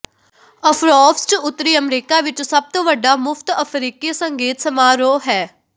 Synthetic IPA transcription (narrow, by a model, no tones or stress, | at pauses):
əpʰɾɔːpʰst͡ʃʊt̪ːɾiːəmɾiːkaːʋɪt͡ʃsəb̚t̪õːʋəɖːaːmʊpʰt̪əpʰɾiːkisəŋɡeːt̪səmaːɾoːɦɛː